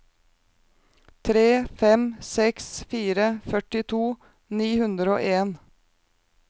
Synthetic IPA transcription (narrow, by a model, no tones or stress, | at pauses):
t̪ʰɾeːfɛmsɛksfiːɾəfœʈɪt̪ʰuː | niːhʉnd̪ɾəo̰ːʔeːn